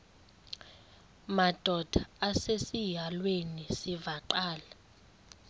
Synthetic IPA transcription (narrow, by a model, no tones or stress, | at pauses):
mad̥ʱɔd̥ʱaːsesijalwenisivaǃaːla